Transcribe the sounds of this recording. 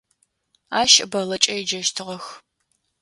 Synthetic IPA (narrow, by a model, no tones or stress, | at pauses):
aːʃɐbɐlɐt͡ʃʼɐjd͡ʒɐʃtʰɨʁɐx